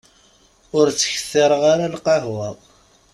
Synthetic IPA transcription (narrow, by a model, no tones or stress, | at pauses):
ʊɾt͡sːə̥çə̥θːɪɾˤəʁaɾalqɑɦwɑðˤ